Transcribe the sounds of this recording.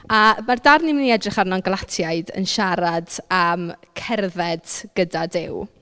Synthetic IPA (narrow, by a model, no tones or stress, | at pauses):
amardarnɪmniɛdrɪχarnɔnɡlˠatʰjaɨdə̰nʃaɾadamkʰɛrðɛd̥ɡ̥ədadɪ̰w